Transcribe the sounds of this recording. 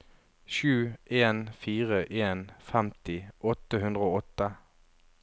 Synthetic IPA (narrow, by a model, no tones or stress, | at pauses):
ʃʉːʔeːnfiːʁəʔeːnfɛmt̪ɪʔɔt̪əhʉnd̪ʁəoːɔt̪ːə